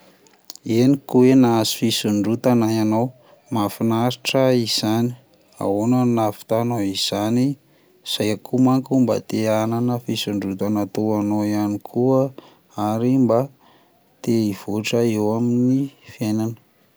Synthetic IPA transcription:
enikuwenazi̥fisuɳɖ͡ʐut̪anajanaw | mafinaɾiʈ͡ʂəiz̥ani̥ | a̰wonanafi̥t̪anoiz̥ani | z̥ajakʰumaŋkumba̰t̪eananəfisuɳɖ͡ʐut̪anat̪oanoianikʰuə | aɾimba | t̪eiv̥oʈ͡ʂəewaminifjenanə̥

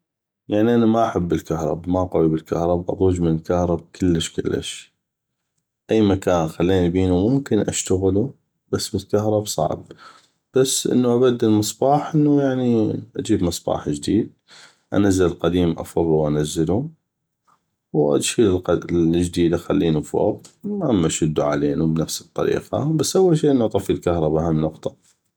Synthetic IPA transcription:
jaʕniʔanamaʔaħabːɪlkahɾˤɑ̰bmaʔqawibɪlkahɾˤɑbʔɑ̰t̪ˤuːd͡ʒmənlkahɾˤɑb̚kʰɪlːəʃkɪlːa̰ʃ | ʔajːmakaːnxalːiːnibiːnumʊmkɪnʔa̰ʃt̪aɣlu | b̥asːbɪlkaɦɾˤɑbsˤɑ̰ʕb | b̥asːʔɪ̰nːuʔabad̪ːɪlmɨsˤbɑːħʔɪnːujaʕniʔad͡ʒiːbmɨsˤbɑ̰ːħd͡ʒd̪iːd̪̚ | ʔa̰nazːallqɑd̪iːmʔɑ̰fɑðˤuwʔanazːɪlu | wʔa̰d̪ʃiːllqd͡ʒd̪iːd̪axalːiːnufo̰ːb̚amːaʃʊd̪ːuʕa̰leːnubnafsɨ̥t̪ˤːɑ̰ɾḭːqɑ̰basːʔawːalʃiːʔɪnːuʔɑt̪ˤɑfilkahɾˤɑbahamːnʊqt̪ˤɑ̥

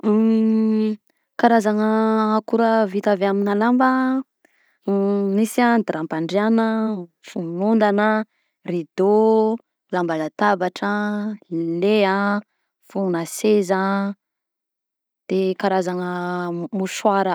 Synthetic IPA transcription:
kaɾazaŋəːkuɾəvit̪aveaminalambə | nisiad̪iɾampaɳɖ͡ʐeanəfunund̪anə | rid̪o | lambalat̪abaʈ͡ʂə | lea | fuunasezə | d̪̥ekaɾazanəmuʃwaɾə

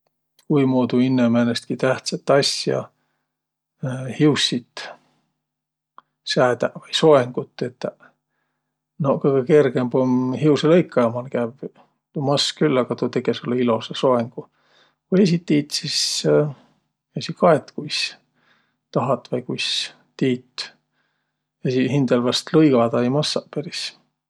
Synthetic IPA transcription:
kujmoːt̪uinːemenest̪̚kit̪æht̪sɑt̪ːˑɑsjɑ̰ | hiusːit̪ | sæːt̪ævɑjso̞eŋɡ̥ut̪ːˑet̪ːˑ | nokɤjɡ̥eke̞rɡ̥embomhiuwselɤjkʰːɑjɑmɑlkæv | t̪umɑskylːɑɡ̥ɑt̪ut̪e̞ɡesulːeilo̞seso̞eŋɡ̥u | kujesʲit̪ːiːt̪sis | jesikɑet̪ːkujs | t̪ɑɦɑt̪ːˑvɑjkujs | t̪iːt̪ | esihind̪ɑlvɑst̪lɤjɡɑd̪̥ɑejmɑsːɑʔpeɾis

